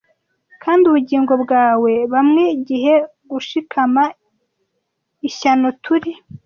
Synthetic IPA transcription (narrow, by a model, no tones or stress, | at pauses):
kʰaːndiuβuɟiːŋɡo̞bɡaːwe̞βamŋeɟiɦe̞ | ɡuʃikʰama | içano̞tʰuɾi